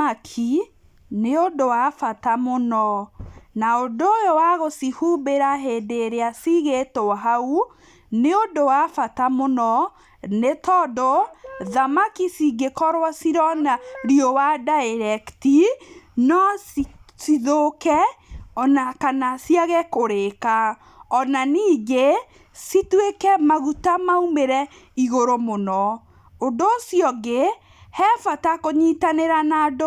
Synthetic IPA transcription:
akʰi | neondowafatamonɔnaondoojowaɣosihubeɾaɦedeɾeasiɣetoɦau | neondowafatamonɔ | netɔdɔðamakisiɡekɔɾwasiɾɔnaɾiowadaeɾɛktinɔ | siðokɛɔnakanasiaɣɛkoɾeka | ɔnaniːɡe | sitwekɛmaɣutamaumeɾɛ | iɣoɾomonɔ | ondoːsjɔɡe | hɛfatakoɲitaneɾanado

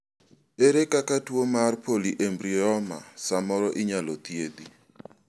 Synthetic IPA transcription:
eɾekakatwomarpʰoliʔembɾiɔma̰samɔɾɔʔɪɲalɔt̪jed̪i

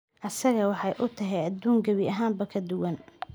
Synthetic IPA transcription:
ʔɐsɐɣɐwɑħɑjʔʊt̪ʰɐɦɛjɐd̪uːŋɡɐβiɐɦaːmbɐkʰɐd̪ʊwɐn

